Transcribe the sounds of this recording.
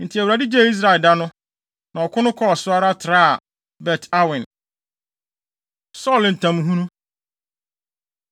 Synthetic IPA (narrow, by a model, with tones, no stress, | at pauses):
n̩˨tʰɪ˨æ˨wɾa˨dɪ˦d͡ʑe˦˨i˦s̬ɾa˨ɛ˨lda˦nʊ̃˦ | nã˨ɔ˨kʰʷʊ˦nʊ̃˦kʰɔ˦ɔ˨sʊ˦a˦ɾa˦tʰɪ˨ɾa˦a˨ | bɛ˨tʰa˦wɪ̃˨n | sɔ˦˨ln̩˨tʰã˨m˦ɦũ˦nũ˦